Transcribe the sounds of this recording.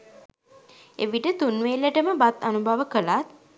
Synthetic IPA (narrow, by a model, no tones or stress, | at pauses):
ḛʋiʈət̪unʋelːəʈəməbat̪anubʱaʋəkəlat̪̚